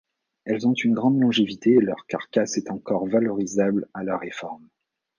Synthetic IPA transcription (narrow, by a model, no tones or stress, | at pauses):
ɛlzɔ̃t̪ynɡʁɑ̃d̪lɔ̃ʒevit̪eːlœʁka̰ʁkʲasɛt̪ɑ̃kɔʁvalɔʁizablalœʁːefɔʁm